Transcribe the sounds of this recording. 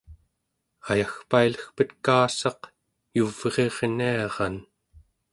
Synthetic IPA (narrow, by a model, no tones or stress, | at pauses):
ajaxpailəxpət̪kaːsɑq | juveʁe̞ʁniɑʁɑn